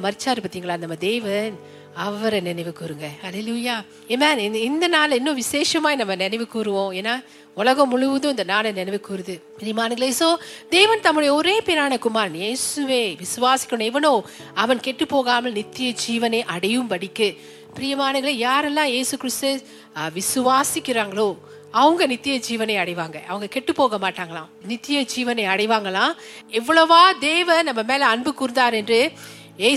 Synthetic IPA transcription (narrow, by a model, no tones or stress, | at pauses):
mɐɾɪt͡ʃːaːɾɯpɐt̪ːiːŋɡɐɭaːnɐmːɐd̪eːʋɐn | ɐʋɐɾɐnɪnɐɪʋɯkuːɾɯŋɡɐhɐleːluːjaː | emaːnɪnd̪ɐnaːlɪnːõʋɪseːʂɐmaːnɐmːɐnɛnɐɪʋɯkuːɾɯʋõːeːnːaː | ʊɭɐɣɐ̃mʊɻʊʋɯðɯ̃ɪnd̪ɐnaːlɐnɛnɛɪʋɯkuːɾɯðɯpɾijɐmaːnɯɡɐɭesoːd̪eːʋɐnt̪ɐmːɯɽɐjɐɔɾeːpeːɾaːnɐkʊmaːɾnjeːsɯʋeːʋɪsɯʋaːsɪ̥kʲːɐɳõɛʋɐnõː | ɐʋɐnkɛʈːɯpːoːɣaːmɐlnɪt̪ːɪjɐd͡ʒiːʋɐneʔɐɽɐjɯmpɐɽɪkːɯ | pɪɾijɐmaːnɯŋɣɐɭejaːɾɛlːãːjeːsɯkɪɾɪst̪ɯ | ʋɪsɯʋaːsɪkːɪɾaːŋɡɐɭoː | ɐʋɐŋɡɐnɪt̪ːɪjɐd͡ʒiːʋɐneɪɐɽɐɪʋaːŋɡɐʔɐ̰ʋɐŋɡɐkɛʈːɯpːoːɣɐmaːʈːaːŋɡɐɭãːnɪt̪ːɪjɐd͡ʒiːʋɐnɐɐɽɐɪʋaːŋɡɐlãː | ɛʋːɐɭɐʋaːd̪eːʋɐnɐmːɐmeːlɐɐnbɯkʊɾɯnd̪aːɾɛndrɯ | jeː